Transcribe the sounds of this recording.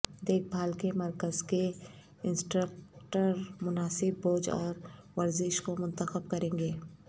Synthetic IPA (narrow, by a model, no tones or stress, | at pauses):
d̪eːk̚ʰbʱaːlkemɐɾkəzke | ɪnsʈɾəkʈəɾmʊnaːsɪbːoːd͡ʒɔ̰ːɾʋɐɾzɪʃkomʊ̃nt̪əxəbkɐɾẽːŋɡeː